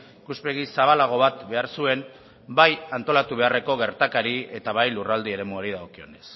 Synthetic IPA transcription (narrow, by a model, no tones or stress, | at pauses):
ikuspe̞ɣ̞isaβalaɣ̞o̞β̞at̪be̞aɾsue̞m | bajant̪o̞lat̪uβ̞e̞are̞ko̞ɣe̞ɾt̪akaɾie̞t̪aβ̞ajlurald̪ie̞ɾe̞muaɾið̞aokio̞ne̞s